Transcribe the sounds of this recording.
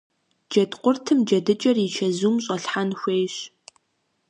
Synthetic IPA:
d͡ʒɐdqʷʼʊrtʰɨmd͡ʒɐdɨt͡ʃʼɐrit͡ʃʰɐzuːmɕʼɐɬħanxʷeːjɕ

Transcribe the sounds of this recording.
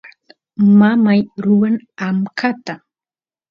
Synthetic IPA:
mamajɾʊwanamkʰat̪a

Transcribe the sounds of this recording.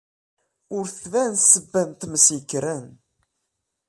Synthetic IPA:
ʊɾθðænsəbːænt̪məsikːɾən

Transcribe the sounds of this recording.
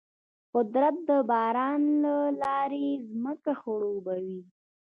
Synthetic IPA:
qʊd̪ɾat̪̚d̪əbɑɾɑnlalɑɾezməkaxoɽobawi

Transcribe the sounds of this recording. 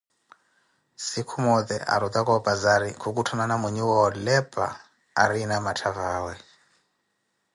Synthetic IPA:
sikʰumɔd̪ɛ̰ʔa̰ɾut̪akɔbazaɾikʰukutʰananamɛɲuwɔlɛpʼa̰ | a̰ɾinamatʰavaːwɛ

